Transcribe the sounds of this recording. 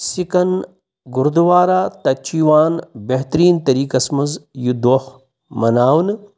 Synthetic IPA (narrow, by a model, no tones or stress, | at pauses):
sikɐn | ɡuɾd̪uʋaːɾaːt̪ɐt͡ʃiːʋaːnbeɦt̪ɐɾiːnt̪ɐɾiːkɐsmɐzjud̪oːh | mɐnaːwn